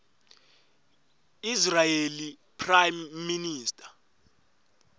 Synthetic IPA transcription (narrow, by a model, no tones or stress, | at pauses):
israjeli | pʰrajmːiniːstʼḁ